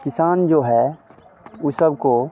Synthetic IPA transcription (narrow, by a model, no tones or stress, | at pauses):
kɪsaːnd͡ʒoːɦɛ | ʊsəbko